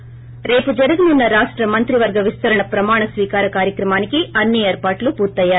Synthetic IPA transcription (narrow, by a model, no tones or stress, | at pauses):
ɾe̞ːpud͡ʒɐɾuɡununːɐɾaːʂʈɾɐmɐnt̪ɾiʋɐɾɡɐʋist̪ɐɾɐɳɐpɾɐmaːɳɐsʋiːkaːɾɐkaːɾjɐkɾɐmaːnikiɐnːieːɾpaːʈlupuːɾt̪ɐjːaːɾu